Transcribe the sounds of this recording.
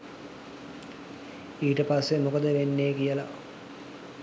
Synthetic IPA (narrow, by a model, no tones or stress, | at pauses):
iːʈəpasːemukəd̪əʋenːejəkijəla̰